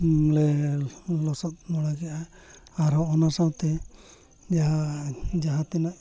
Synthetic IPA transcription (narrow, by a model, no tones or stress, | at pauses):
lɛ | lɔsɔt̪̚nɔɽaɡɛʔa | aɾɦɔɔnasawt̪ɛ | d͡ʒaɦad͡ʒaɦãt̪ɛnaʔ